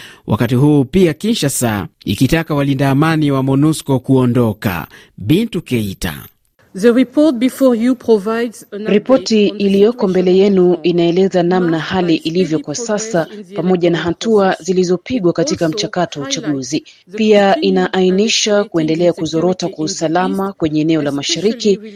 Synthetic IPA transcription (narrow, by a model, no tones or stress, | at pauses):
wʔa̰katihuːpiakint͡ʃasa̰ḭkitakawalindaːmaniwamɔnuskɔkuɔndɔka̰ | ɓintukɛita̰ | ðəɹipɔt̚bifɔjupʰɹɔvajdzɾipɔtiːlijɔkɔmbɛlɛjɛnuinaɛlɛzanamnahaliʔilivjɔkwasasapamɔʄanaɦatuazilizɔpiɠwakatikam̩t͡ʃakatɔwaut͡ʃaɠuzi | piaʔinaʔainiʃakuɛndɛlɛakuzɔɾɔtakwausalamakwɛɲɛːnɛɔlamaʃaɾiki